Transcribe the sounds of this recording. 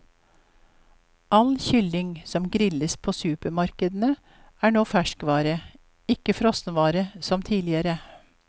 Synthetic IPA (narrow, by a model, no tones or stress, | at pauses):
ʔɑlçʏlɪŋsɔmɡɾɪləspʰoːsʉːpəmɑɾkəd̪n̩ə | æːɳoːfæʃkʋɑːɾə | ɪkəfɾɔsnʋɑːɾəsɔmt̪ʰiːlɪəɾə